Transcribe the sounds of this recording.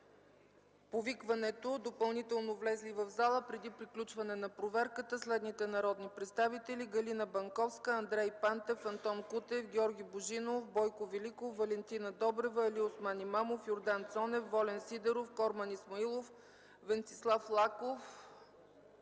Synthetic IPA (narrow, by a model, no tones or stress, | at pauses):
povikvɐnɛt̪od̪opɐlˠnit̪ɛlˠnovlɛzlivɐvzalˠəpɾɛd̪ipɾiklʲut͡ʃvɐnɛnɐpɾovɛɾkət̪əslɛd̪nit̪ɛnɐɾɔd̪nipɾɛt̪st̪avit̪ɛliɡɐlinəbɐŋkɔfskəɐnd̪ɾɛjpant̪ɛfɐnt̪ɔnkut̪ɛfɡʲɔɾɡʲiboʒinofbɔjkovilikofːɐlɛnt̪inəd̪ɔbɾɛvəɐliosmanimamofjoɾd̪ant̪sɔnɛfːɔlɛnsid̪ɛɾofkɔɾmɐnismɐilˠof | vɛntsi̥slˠaflˠakof